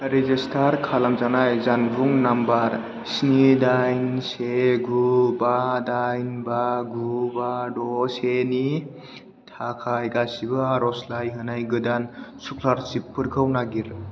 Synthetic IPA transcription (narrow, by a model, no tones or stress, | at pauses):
ɾezistʰaɾkʰalamzanajzanbuŋnambaɾ | snidajnseɡubadajnbaɡubadɔseni | tʰakʰajɡasibɯɾɔslajɦɯnajɡɯdansukʰlaɾt͡ʃipːɯɾɡʰɯwnaɡiɾ